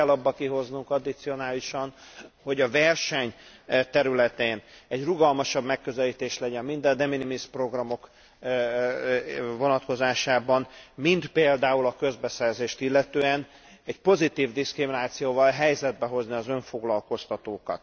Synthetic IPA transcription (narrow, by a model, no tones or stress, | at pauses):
ɛlːɒbːɒkiɦo̞znuŋkɒd̪it̪sio̞naːliʃɒnho̞ɟɒvɛrʃɛɲt̪ɛɾylɛt̪eːnɛɟruɡɒlmɒʃɒbmɛkːø̞zɛliːt̪eːʃlɛɟɛnmind̪ɛnd̪ɛminimispro̞ɡrɒmo̞k | vo̞nɒt̪ko̞zaːʃaːbɒnmind̪peːld̪aːulɒkø̞zbɛsɛrzeːʃt̪ilːɛt̪øːɛn | ɛɟpo̞zit̪iːvd̪iskriminaːt̪sijoːvɒlɦɛjzɛd̪̚bɛɦo̞zniɒzøɱfo̞ɡlɒlko̞st̪ɒt̪oːkɒ̰t̪